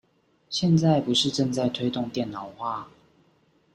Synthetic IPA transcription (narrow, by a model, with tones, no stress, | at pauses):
ɕjɛ˥˨nt͡sa˥˩ɪpu˨˦ʂɻ̩˥˧ʈ͡ʂə˥˧ŋt͡sa˥˩ɪt̪ʰwe˥ɪt̪ʊ˥˨ŋt̪jɛ˥˨nnɑ˨˦ʊxwa˥˨